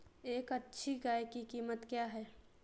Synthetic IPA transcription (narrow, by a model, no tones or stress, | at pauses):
eːkɐtːʃʰiɡaːjkikiːmət̪kjaːɦɛː